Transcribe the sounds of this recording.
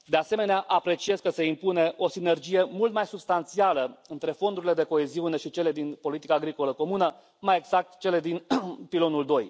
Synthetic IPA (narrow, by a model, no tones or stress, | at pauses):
d̪e̞ase̞me̞neaʔapɾe̞t͡ʃie̞zkəse̞impune̞ʔo̞sine̞rd͡ʒije̞mult̪majsubst̪ant̪sialəɨnt̪ɾe̞fo̞nd̪uɾile̞d̪e̞ko̞e̞ziune̞ʃit͡ʃe̞le̞d̪inpo̞lit̪ikaːɡɾiko̞ləko̞munə | maje̞ɡz̥ak̚t̪t͡ʃe̞le̞d̪inpilo̞nuld̪o̞j